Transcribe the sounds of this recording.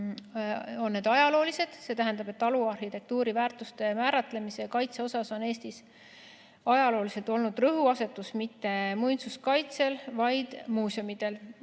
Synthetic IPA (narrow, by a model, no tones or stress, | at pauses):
o̞nːe̞d̪̥ɑjɑlo̞ːlise̞d̪̥se̞t̪æɦend̪ɑb̥et̪ːɑluɑrhit̪e̞k̚t̪uːɾivæːrt̪ˑust̪e̞mæːɾɑt̪ˑle̞misekɑjt̪se̞o̞sɑso̞ne̞ːst̪is | ɑjɑlo̞ːlise̞lt̪o̞lnud̪̥rɤɦuɑse̞t̪ːˑusmit̪ːe̞mujnsuskɑjt̪se̞lvɑjd̪̥muːso̞mid̪̥e̞l